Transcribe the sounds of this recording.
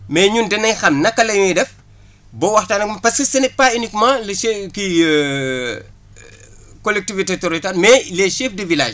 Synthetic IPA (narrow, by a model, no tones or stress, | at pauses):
mɛɲundɛnɐɲxɐmnɐkːɐlɐjmɛjdɛf | bɔwɐxtaːnɐkmɐpɐskisɐnik̚paːinikmɐlɐki | kɔlɛk̚tivitetoɾitalmɛlɛʃɛːfdivilaːʃ